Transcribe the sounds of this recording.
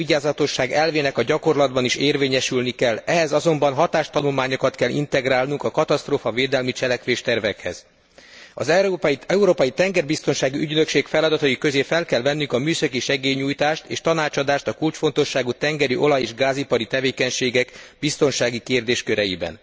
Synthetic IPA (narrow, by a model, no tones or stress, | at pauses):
iɟaːzɒt̪o̞ʃːaːɡɛlveːnɛkɒɟɒko̞rlɒd̪bɒniʃeːrveːɲɛʃylnikɛlɛɦɛzɒzo̞mbɒnɦɒt̪aːʃt̪ɒnulmaːɲokɒt̪kɛlːḭnt̪ɛɡɾaːlnuŋkɒkɒt̪ɒst̪roːfɒveːd̪ɛlmit͡ʃɛlɛkʋeːʃt̪ɛrvɛkhɛ̰z̥ | ɒ̰zɛpɛuɾoːpɒjit̪ɛŋɡɛrbist̪o̞nʃaːɡiyɟnø̞kʃeːkfɛlɒd̪ɒt̪ɒikøzeːfɛlkɛlvɛnːyŋkɒmyːsɒkiʃɛɡeːɲuːjt̪aːʃt̪ḛːʃt̪ɒnaːt͡ʃɒd̪aːʃt̪ɒkult͡ʃfo̞nt̪o̞ʃːaːɡut̪ɛŋɡɛɾiʔo̞lɒjeːʒɡaːzipɒɾit̪ɛveːkɛɲʃeːɡɛɡbist̪o̞nʃaːɡikeːrd̪eːʃkøɾɛjḭbɛ̰n